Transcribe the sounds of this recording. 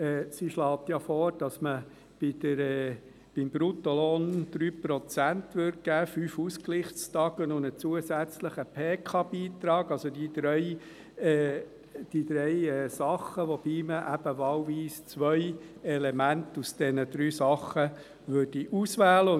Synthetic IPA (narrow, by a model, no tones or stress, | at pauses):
ɛːsiʃlɑːt̪jɑfɔːɾd̥ɑsmə | b̥id̥əɾɛː | b̥ɪmbɾut̪olɔnd̪̥ɾyːpɾɔt͡sæntʋøɾd̚ɡ̥æːfyːfuskliχt͡stɑɡ̥ənʊnət͡suəsæt͡sləχəpʰeːkʰɑb̥iːt̪ɾɑːɡ̥ɑlsod̪id̪ɾœɪ | ɛ | d̥id̪ɾɛɪɛːsɑχəʋob̥iːməʔæb̥əʋɑːwʋiːst͡sʋœjɛlemæntusd̥ɛnəd̪ɾyːsɑχə | ʋʏɾd̥iʔusʋæːlə